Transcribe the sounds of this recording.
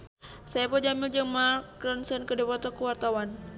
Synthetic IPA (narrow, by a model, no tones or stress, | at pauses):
sajapɔd͡ʒamild͡ʒəŋmarkɾɔnsənkədepat̪ɔkuwart̪awan